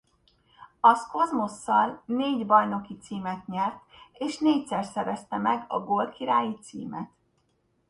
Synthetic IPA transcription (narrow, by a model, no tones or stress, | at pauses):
ɒsko̞zmosːɒlneːɟbɒjno̞kit̪siːmɛt̪ɲɛrt̪eːʃneːcsɛrsɛɾɛst̪ɛmɛɡɒɡo̞lkiɾaːjit̪sḭːmɛt̪